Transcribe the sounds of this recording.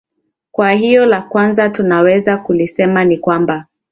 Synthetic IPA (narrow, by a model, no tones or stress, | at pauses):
kwahijɔlakwanzatunawɛzakulisɛmanikwamba